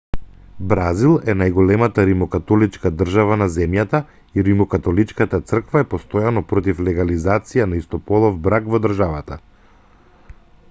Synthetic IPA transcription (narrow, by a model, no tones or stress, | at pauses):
bɾazilˠɛnajɡɔlɛmat̪aɾimɔkat̪ɔlit͡ʃkad̪r̩ʒavanazɛmjat̪a | iɾimɔkat̪ɔlit͡ʃkat̪at̪sr̩kvaɛpɔst̪ɔjanɔpɾɔt̪̬iflɛɡalizat̪sijanaist̪ɔpɔlˠɔvbɾakvɔd̪r̩ʒavat̪a